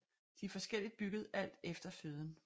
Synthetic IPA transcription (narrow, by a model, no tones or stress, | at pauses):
d̥ifɒ̽sɡ̥el̰id̥̚b̥yɡ̥əð̞̩ˠʔæl̰d̥efd̥ɐføð̞ˠən̩